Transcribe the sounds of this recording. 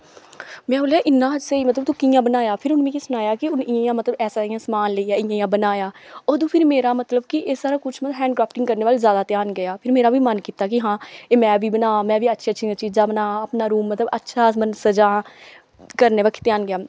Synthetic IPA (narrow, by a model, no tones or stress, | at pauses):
mɛ̃ːɦoːlaːʔɪnːãːd͡ʒseːiːmət̪ləbt̪ũːkijãːbənaːjaːpʰɪɾʊnʋĩːkisʊnaːjaːkɪʊnɪjãjãːmət̪ləbɛːsaːiːãːsəmaːnleijaːɪjãːijãːbənaːjaːoːd̪ũːpʰɪɾmeːɾaːmət̪ləb̚kɪʔesaːɾaːkʊt͡ʃʰməɦɛ̃ːɳɖkɾaːpʰʈɪŋɡkəɾneːʋaːlzjaːd̪aːt̪ɪjaːnɡɪjaːpʰɪɾmeːɾaːʋiːmənkiːt̪aːkɪɦãːeːmɛ̃ːʋiːbənaːmɛ̃ːʋiːətːʃʰeːəːʃʰiãːt͡ʃiːzaːbənaːəpnaːɾuːmːət̪ləbətːʃʰaːmənsəd͡ʒaː | kəɾneːʋəkʰːt̪ɪjaːnɡɪjaː